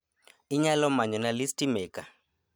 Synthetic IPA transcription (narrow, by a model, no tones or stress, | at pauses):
iɲalɔmaɲɔnalistimɛːka